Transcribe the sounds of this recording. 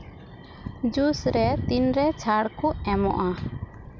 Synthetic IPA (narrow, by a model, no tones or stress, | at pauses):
d͡ʒusɾɛt̪inɾɛt͡ʃʰaɽkʰuʔɛmɔ̰ʔa